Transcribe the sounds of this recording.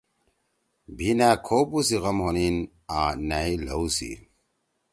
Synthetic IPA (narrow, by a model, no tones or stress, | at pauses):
binakʰoːbusiɣɐmhonin | aːnailo̰wsḭ